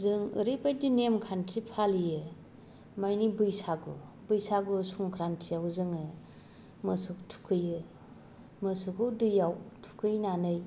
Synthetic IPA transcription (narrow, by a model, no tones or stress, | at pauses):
zɯŋɯ̰ɾibajdinemkʰantʰipʰalijɯ | majnibɯjsaɡṵ | bɯjsaɡusuŋkʰɾantʰijawzɯŋɯ | mɯsuktʰu̥kʰɯjɯ | mɯsukʰɯwdɯjawtʰu̥kʰɯjnanɯj